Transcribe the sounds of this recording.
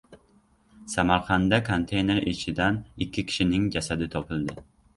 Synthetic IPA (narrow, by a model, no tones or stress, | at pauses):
samaɾqɑnd̪akʰont̪ʰe̞jne̞ɾɪt͡ʃʰɪd̪anɪkʲʰːɪkʲʰɪ̥ʃɪnɪŋd͡ʒasad̪ɪt̪ʰɒpʰɪlˠd̪ɪ